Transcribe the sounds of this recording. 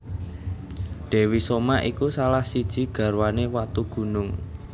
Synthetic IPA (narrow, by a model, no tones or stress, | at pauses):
ɖ̥ɛ̤wisomaʔikusalahsid̥ʒ̥i̤ɡ̥ä̤ɾwanewat̪uɡ̥ṳnʊŋ